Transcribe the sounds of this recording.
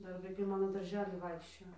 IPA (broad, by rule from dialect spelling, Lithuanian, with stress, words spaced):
ˈdɐr ʋɐɪˈkɐɪ ˈmɑːnoː dɐrʲˈʒʲæːlʲiː ˈʋɐɪkʃʲt͡ʃʲoːjoː